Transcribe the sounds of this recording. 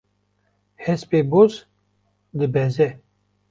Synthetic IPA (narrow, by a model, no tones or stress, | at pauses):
hɛspeboz | d̪ɨbɛzɛ